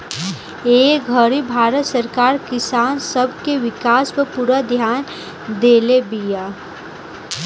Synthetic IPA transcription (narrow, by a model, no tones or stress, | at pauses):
eːɡʱəɾibʱaːɾət̪səɾkaːɾkɪsaːnsəbkeʋɪkaːspəpuɾad̪ʱjaːn | d̪eːlebijaː